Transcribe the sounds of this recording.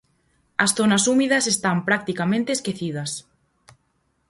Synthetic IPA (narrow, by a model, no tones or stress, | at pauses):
ɐsθonasumið̞ɐsest̪ampɾak̚t̪ikamẽnt̪eːskeθið̞ɐs